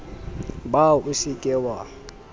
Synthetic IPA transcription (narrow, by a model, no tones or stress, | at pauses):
bausikʼɛwa